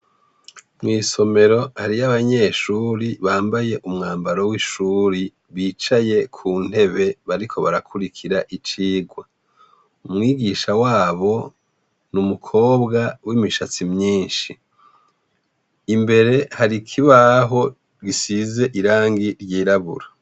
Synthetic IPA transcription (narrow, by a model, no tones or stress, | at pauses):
mŋiːso̞me̞ɾo̞haɾiaβaɲe̞ʃuːɾiβaːmbaje̞ʔumŋaːmbaɾowiʃuːɾi | βiːt͡ʃaje̞kʰuːn̥he̞βe̞βaɾikʰo̞βaɾakʰuɾikʰiɾaʔit͡ʃiːɡwa | umŋiːɡiːʃawaːβo̞ | numukʰo̞ːbɡawimiʃat͡simɲiːnʃi | mbe̞ɾe̞haɾikʰiβaɦo̞ | ɡisize̞ʔiɾaːŋɡiɾɟiːɾaβṵɾa